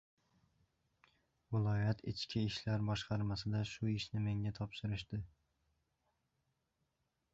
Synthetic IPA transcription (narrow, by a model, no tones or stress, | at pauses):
vɪlˠɒjat̪ʰɪ̰t͡ʃkʲʰɪɪʃlaɾbɒʃqʰɑɾmasɪd̪aʃʊɪʃnɪmeŋat̪ʰɒpʃɪɾɪʃd̪̥ɪ